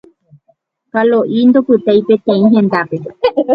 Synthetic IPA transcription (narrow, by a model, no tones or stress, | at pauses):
kaloʔind̪opɨt̪ejpet̪ẽĩɦẽnd̪ape